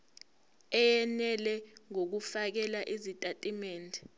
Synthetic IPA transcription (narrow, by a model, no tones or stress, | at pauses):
ɛjɛnɛlɛŋok̬ufak̬ɛlaʔizitʼatʼimɛːndʱɛ